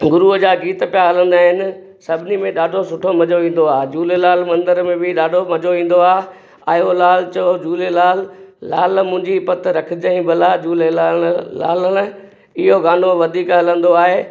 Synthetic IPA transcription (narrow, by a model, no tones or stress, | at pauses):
ɡʊɾuəd͡ʑaːɡiːt̪pijaɦɐlə̃nd̪aːɦɪnɪ̆ | sɐbʱɪnimẽɗaːɖʱosʊʈʰomɐd͡ʑoʋĩːn̆d̪oaːd͡ʑuːlelaːlmɐ̃nd̪əɾmẽbɪɗaːɖʱomɐd͡ʑoʋĩːn̆d̪oaːɦe | aolaːlt͡ɕɐod͡ʑuːlelaːlːaːlmʊ̃ɦɪ̃ɲd͡ʑipɐt̪ɾɐkʰɪd͡ʑɐĩːbəlad͡ʑuːle | aːlən̆ | ɪɦoɡaːnoʋɐd̪ʱiːkɦɐlə̃nd̪oaːɦeː